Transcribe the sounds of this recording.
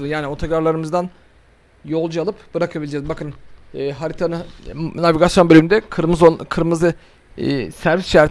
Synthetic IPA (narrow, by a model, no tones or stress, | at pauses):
ɯjaːnʲio̞t̪ʰakaɾlˠaɾɯmɯzd̪an | jo̞lˠd͡ʒualˠɯpb̥ɯɾakʰabilʲid͡ʒɛːzbakʰɯnːɦaɾit̪ʰanɯnaviɡasjobølʲymynd̪ɛkʰɯɾmɯzokʰɯɾmɯzɯ̰ | sæɾvɛsʃæɾt̪